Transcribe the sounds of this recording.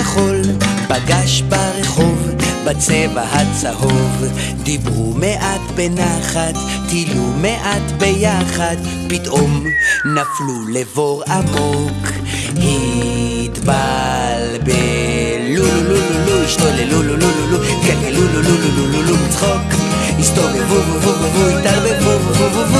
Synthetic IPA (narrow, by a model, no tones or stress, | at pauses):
aχo̞lpaɡaʃbaʁeχo̞vbat͡sevahat͡saho̞v | d̪ibʁumeʔat̪benaχat̪ː | ilumeʔat̪bejaχad̪ | pit̪omnaflulevo̞ʁamo̞k | hi | t̪bal | be | lululululuiʃt̪olelululululu | kelelululululululumit͡sχok | hist̪olevuvuvuvuvuist̪albevuvuvuvuv